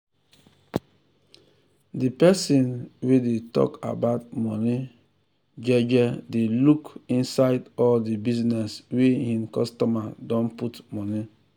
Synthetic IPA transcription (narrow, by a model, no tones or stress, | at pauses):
dipɛsĩnwedetɔ̰ka̰baʊtmɔni | d͡ʒɛd͡ʒɛdelukĩnsaɪdɔldibiznɛswehĩnkɔstɔmadɔ̃nputmɔni